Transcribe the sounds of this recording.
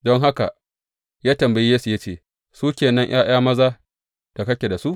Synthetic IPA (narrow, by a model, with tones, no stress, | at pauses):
dɔ˦ŋɦa˦ka̰˨ | jaː˦tɐ˨mbɐ˨ji˦jeː˦su˨jɐ˦t͡ʃeː˨ | suː˦kʲeː˨nɐ˦ɲʔj̰aː˦j̰aː˦mɐ˦zaː˦ | d̥a˨kɐ˦kʲe˨da˨su˦ʔ